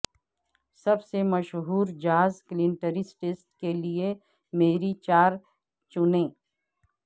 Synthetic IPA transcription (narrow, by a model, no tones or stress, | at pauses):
sɐbsemɐʃɦuːɾd͡ʒaːzklɪ̃nʈəɾɪsʈeːsʈkelie | meːɾit͡ʃaːɾ | t͡ʃʊnẽː